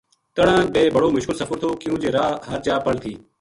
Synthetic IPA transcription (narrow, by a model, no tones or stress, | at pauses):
k̪əɽãːɓeːbəɽoːmʊʃkɪlsəfəɾt̪ʰoːkɪjũːd͡ʒeːɾaːɦəɾt͡ʃaːpəɽt̪ʰiː